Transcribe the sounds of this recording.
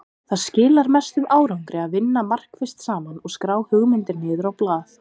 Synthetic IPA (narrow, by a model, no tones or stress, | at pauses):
θaðscɪːlaɾmɛst̪ʏmaːwɾawŋkɾɪaðvɪnːamar̥kfɪ̥st̪saːmanɔɣskɾaːwhʏɣmɪnt̪ɪɾnɪːðʏɾawplaːθ